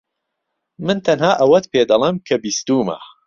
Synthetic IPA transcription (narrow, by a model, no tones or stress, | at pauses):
mɨnt̪ʰɐnɦaːʔɐwɐt̪peːd̪ɐlˠemkʰɐbist̪uːmɐ̰